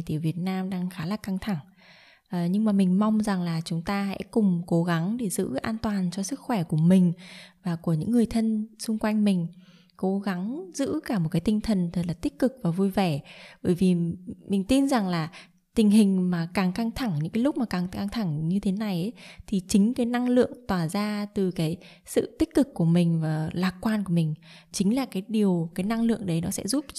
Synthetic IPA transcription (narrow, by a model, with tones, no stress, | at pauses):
t̪i˧˩ə˩vi˨˩ət̚naː˧mɗaː˧ŋxaː˨˦laː˨˩ka˧ŋt̪ʰa˧˩ŋ | ʔɲɨ˧ŋmaː˨˩mï˨˩ŋ̟ma˧wŋ͡mza˨˩ŋlaː˨˩t͡ɕʊ˨˦ŋ͡mt̪aː˧sɛ̰˧˥kʊ˨˩ŋ͡mko˨˦ɣa˨˦ŋɗe˧˩zɨ̰˧˥ʔaː˧nt̪waː˨˩nt͡ɕɔ˧sɨ˦˥k̚xwɛ˧˩ku˧˩əmï˨˩ŋ̟vaː˨˩ku˧˩əɲɨ̰˧˥ŋːɨ˨˩əjt̪ʰə˧nsʊ˧ŋ͡mkwa˧jŋ̟mï˨˩ŋ̟ | ko˨˦ɣa˨˦ŋzɨ̰˧˥kaː˧˩mo˨˩t̚kaː˨˦t̪ï˧ŋt̪ʰə˨˩nt̪ʰə˨˩t̚laː˨˩t̪ï˦˥k̟̚kɨ˨˩k̚vaː˨˩vu˧jvɛ˧˩ɓəː˧˩jvi˨˩mï˨˩ŋ̟t̪i˧nza˨˩ŋlaː˨˩ | t̪ï˨˩ŋ̟ɦï˨˩ŋ̟maː˨˩kaː˨˩ŋka˧ŋt̪ʰa˧˩ŋɲɨ̰˧˥ŋkaː˨˦lʊ˦˥k͡p̚maː˨˩kaː˨˩ŋa˧ŋt̪ʰa˧˩ŋɲɨ˧t̪ʰe˨˦na˨˩jʔə˨˦t̪ʰi˨˩t͡ɕï˨˦ŋ̟kaː˨˦jna˧ŋlɨ̰˧˨əŋt̪waː˧˩zaː˧t̪ɨ˨˩kaː˨˦j | sɨ̰˧˨t̪i̟˦˥kɨ˨˩kːu˧˩əmï˨˩ŋ̟vaː˨˩laː˨˩k̚kwaː˧nku˧˩əmï˨˩ŋ̟t͡ɕï˨˦ŋ̟laː˨˩kaː˨˦jɗi˨˩əwkaː˨˦jna˧ŋlɨ̰˧˨əŋɗə˨˦jnɔ˨˦sɛ̰˧˥zu˦˥p̚